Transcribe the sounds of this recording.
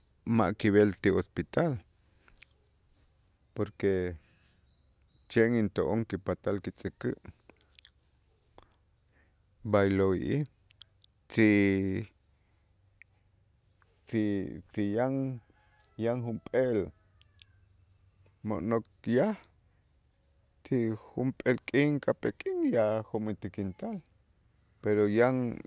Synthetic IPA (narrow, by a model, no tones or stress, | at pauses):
maʔkiβelt̪iospit̪al | poɾke | t͡ʃeʔŋint̪oʔoŋkipat̪alkit͡sʼikiʔ | bajloḭʔi | t͡si | sisijaŋ | jaŋxumpʼel | mo̰ʔnok̚jah | t͡ʃixumpʼelkʼiŋkapekʼiŋjaxumit̪ikint̪al | peɾojaŋ